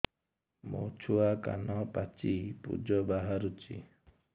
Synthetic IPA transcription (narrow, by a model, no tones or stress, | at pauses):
mo̰wt͡ʃʰuaka̰nɔpat͡ʃipṵd͡ʒɔbaɦaɾut͡ʃḭ